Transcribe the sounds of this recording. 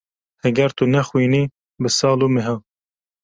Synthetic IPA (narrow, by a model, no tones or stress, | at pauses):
hɛɡɛɾt̪unɛxwiːniː | bɨsɑːluːmeɦɑː